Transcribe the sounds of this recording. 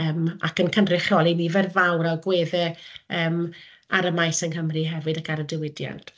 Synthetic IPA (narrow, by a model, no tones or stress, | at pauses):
əːma̰kənkʰənrɪχjɔlˠinivɛrvawɾaɡweːðɛəːm | aɾəmajsənhəmriɦɛvɨdakaɾədɪwɪdja̰nt